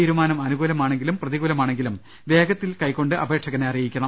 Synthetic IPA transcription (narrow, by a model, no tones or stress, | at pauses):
iɾumaːnɐmɐnuɣuːlɐmaːɳe̞ŋɡilumprɐðiɣuːlɐmaːɳe̞ŋɡilum | ʋe̞ːɡɐt̪ːilkɐjkːo̞ɳɖɨʔɐbʱe̞ːʈʂɐɣɐneɐrijikʲːɐɳɐ